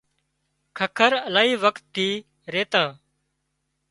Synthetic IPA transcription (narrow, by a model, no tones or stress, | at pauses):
kʰəkʰəɾəlaːiːʋəkt̪ːiː | ɾeːt̪ãː